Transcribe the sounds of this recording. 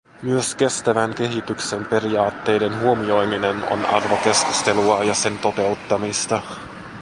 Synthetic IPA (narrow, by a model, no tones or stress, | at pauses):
myøske̞st̪æʋæŋk̟e̞ɦit̪ykse̞mpe̞rijɑːt̪ːe̞jde̞nɦuomio̞jmine̞no̰nɑ̰rʋo̞ke̞skust̪e̞luɑjɑse̞nt̪o̞t̪e̞wt̪ːɑmist̪ɑ